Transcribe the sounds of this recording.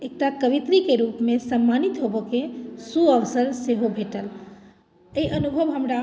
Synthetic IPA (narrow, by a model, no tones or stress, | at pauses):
ek̚ʈakəʋit̪ɾikeɾupmesəmːanit̪ɦobokesuəʋsəɾseɦobʱeʈəl | eiʔənubʱəʋɦəmɾa